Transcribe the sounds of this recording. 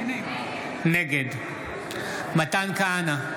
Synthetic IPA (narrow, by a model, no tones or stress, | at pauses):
neɡed̪ | mɐt̪ankana